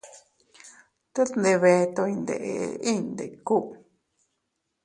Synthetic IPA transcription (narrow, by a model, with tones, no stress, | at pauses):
t̪e˦t̪nd̪e˧βe˧t̪o˧i˧nd̪ḛ˨e˧i˦nd̪e˨ku˦ʔ